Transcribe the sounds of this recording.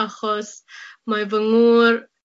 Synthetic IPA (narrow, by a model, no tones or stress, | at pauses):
aχɔsmajvəŋuːɾ